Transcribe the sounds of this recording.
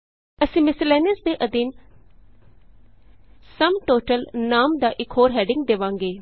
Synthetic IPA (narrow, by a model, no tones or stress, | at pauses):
əsĩːmɪsɪlɛːnɪsd̪eːʔəd̪iːn | səmʈoːʈəlnaːmd̪aːʔɪkʰɦoːɾɦɛːɖɪŋɡ̚d̪eʋãːŋɡeː